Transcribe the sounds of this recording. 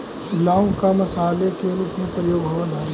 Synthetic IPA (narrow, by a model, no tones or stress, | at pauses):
laːõkamɐsaːlekeɾuːpmẽpɾəjoːɡɦoʋəlaːe